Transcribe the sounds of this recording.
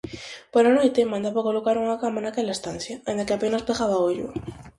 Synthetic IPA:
poɾanojt̪emãnd̪aβakolokaɾuŋakamanakelaest̪an̟θjaend̪akeapenaspeɣaβaoʎṵ

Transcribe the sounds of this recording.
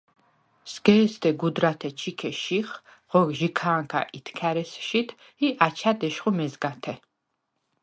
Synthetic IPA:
sɡɛːst̪ɛɡud̪ɾat̪ʰɛt͡ʃʰikʰɛʃiχ | ʁ̥ɔɡʒikʰaːŋkʰa̰ʔit̪ʰkʰaɾɛsʃit̪ʰ | iʔat͡ʃʰad̪ɛʃχumɛzɡat̪ʰɛ

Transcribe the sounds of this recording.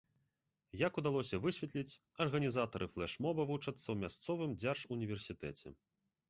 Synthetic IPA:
jɐkud̪alˠɔsʲɐvɨsʲvʲɐt̪lʲit͡sʲ | ɐrɣɐnʲizat̪ɐɾʔɨflˠɛʂmɔbɐvut͡ʂɐt̪sːɐwmʲast̪sɔvɨmd͡zʲarʂunʲivʲɛrsʲit̪ɛt͡sʲɛ̰

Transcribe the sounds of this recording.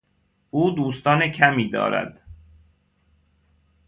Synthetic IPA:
uːd̪uːst̪ɒːnecʰæmiːd̪ɒ̰ːɾæ̰d̪̥

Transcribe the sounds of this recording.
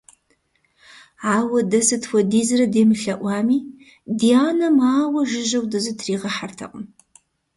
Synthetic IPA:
aːwɐdɐsɨtʰwʷɔdiːzɨɾɐdeːmɨɬɐʔʷɑːmiː | dijaːnɐmaːwɐʒɪʒɐwdɐzɨtʰriːʁɐħartʰɐ̰qʼʊm

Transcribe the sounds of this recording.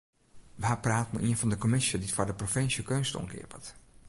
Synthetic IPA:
ʋaːpraːtmə̰ʔiənfɑndəkomɪsjəditfɔɹdəprofɪnsjəkøːnstɔ̰ŋkɪ̰ːpə̰t

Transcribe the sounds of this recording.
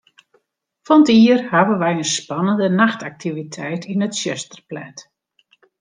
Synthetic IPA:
fɔntiərhaʋənʋɛjənspɑnəndənaxtak̚tivitʰɛjtinətʃøstərplɛt

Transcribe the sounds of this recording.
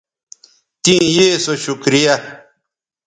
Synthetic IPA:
t̪ĩjeːsoɕukɾija

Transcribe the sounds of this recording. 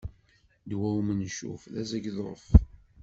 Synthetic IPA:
d̪wæwmənʃṵfðæzæɡðf

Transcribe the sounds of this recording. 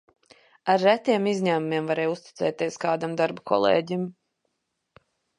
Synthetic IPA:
aɾːæt̪iɛmizɲæːmumiɛmvaɾɛːjust̪i̥t̪sɛ̰ːt̪ʲiɛskaːd̪amd̪aɾbakʰɔ̰lˠḛːɟim

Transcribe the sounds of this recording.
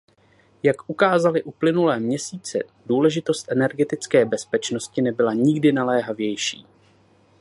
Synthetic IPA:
jakʔukaːzalɪʔuplɪnulɛːmɲɛsiːt͡sɛ̰duːlɛʒɪt̪o̞st̪ʔɛnɛɾɡɛt̪ɪt͡skɛːbɛspɛt͡ʃno̞scɪnɛbɪlaɲɪɡdɪnalɛːɦavjɛjʃḭː

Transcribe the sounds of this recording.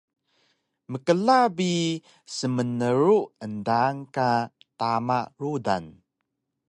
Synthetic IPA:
məkəlabi | səmənəɾuʔəndaŋka | tamaʔɹuda̰n

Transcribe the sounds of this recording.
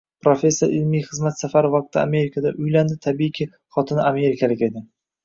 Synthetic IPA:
pɾofʲe̞sːoɾɪlmijχɨzmat̪safaɾɪvɒq̚t̪ʰɪa̰me̞ɾɪkʰad̪a̰ʔʊjland̪ɪt̪ʰabikʲʰi | χɒt̪ʰɪnɪame̞ɾɪkʰalɪkʲe̞d̪ɪ

